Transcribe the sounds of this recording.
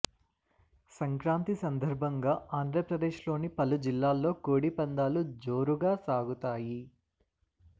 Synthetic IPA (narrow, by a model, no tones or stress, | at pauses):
sɐŋkɾaːnt̪isɐnd̪ɐɾbʱɐŋɡaːaːnd̪ɾɐpɾɐd̪e̞ːʃlo̞ːnipɐlud͡ʒilːaːlːo̞ːkoːɽipɐnd̪aːlud͡ʒo̞ːɾuɡaːsaːɡut̪aːji